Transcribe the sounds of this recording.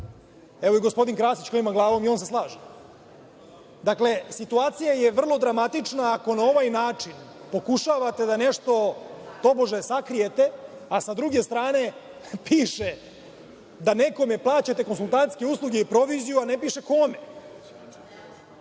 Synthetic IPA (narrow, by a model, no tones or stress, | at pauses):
eʋo̞iɡospo̞d̪iŋkɾaːsit͡ɕklimaɡlˠaːʋo̞mionse̞slˠaːʒe | d̪akle̞sit̪uaːt̪sijaje̞ʋr̩lˠo̞d̪ɾamat̪it͡ʃnaːko̞nao̞ʋajnaːt͡ʂinpo̞kuʃaʋat̪e̞d̪ane̞ʃt̪o̞t̪o̞boʒasakɾijet̪e̞asad̪ɾuɡe̞st̪ɾaːne̞ | piːʃe | d̪ane̞ko̞me̞plˠaːt͡ɕat̪e̞konsulˠt̪ant̪ske̞uslˠuɡeipɾo̞ʋizijuanepiːʃe̞ko̞me